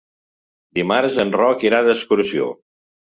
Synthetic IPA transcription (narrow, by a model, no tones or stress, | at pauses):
d̪imaɾzənrɔkiɾaðəskuɾsio̰